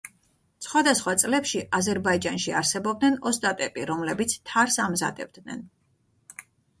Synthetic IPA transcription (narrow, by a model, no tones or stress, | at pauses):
sχwad̪asχwat̪sʼlɛpʃiʔazɛɾbaid͡ʒanʃiaɾsɛbɔb̚d̪nɛnɔst̪ʼat̪ʼɛpʼiɾɔmlɛbit̪sʰt̪ʰaɾsamza̰d̪ɛ̰b̚d̪nɛ̰n